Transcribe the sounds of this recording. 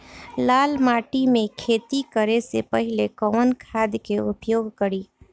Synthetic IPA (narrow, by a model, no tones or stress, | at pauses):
laːlmaːʈimẽkʰeːt̪ikəɾesḛpɐɦɪlekɔənkʰaːd̪keʊpjoːɡkəɾiː